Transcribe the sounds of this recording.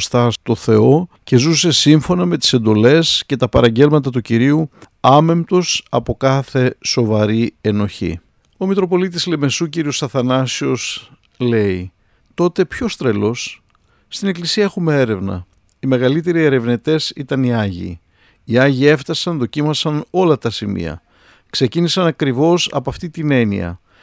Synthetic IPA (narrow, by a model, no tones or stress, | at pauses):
st̪ɐt̪o̞θe̞o̞ce̞zuse̞siɱfo̞nɐme̞t̪i̥se̞nd̪o̞le̞sce̞t̪ɐpɐɾɐɲɟe̞lmɐt̪̬ɐt̪uciɾiu | ɐme̞mt̪o̞sɐpo̞kɐθe̞so̞vɐɾie̞no̞çḭ | o̞mit̪ɾo̞po̞lit̪̬isleme̞suciɾio̞sɐθɐnɐsio̞s | le̞i | t̪o̞t̪e̞pço̞st̪ɾe̞lo̞sː | t̪ine̞klisiɐexumee̞ɾe̞vnɐ̰ | ime̞ɣɐlit̪e̞ɾie̞ɾe̞vnet̪e̞sit̪ɐniɐʝḭ | iɐʝie̞ft̪ɐsɐnðo̞cimɐsɐno̞lɐt̪ɐsimḭɐ̰ | kse̞cinisɐnɐkɾivo̞sɐ̰poɐft̪it̪ine̞nḭɐ̰